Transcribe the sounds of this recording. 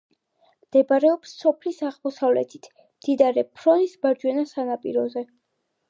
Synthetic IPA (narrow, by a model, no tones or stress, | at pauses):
md̪̥ɛbaɾɛɔpsːɔpʰlisaʁmɔsavlɛ̰t̪ʰi̥t̪ʰ | md̪̥id̪aɾɛpʰɾɔnisbaɾd͡ʒwɛnasanapʼḭɾɔzɛ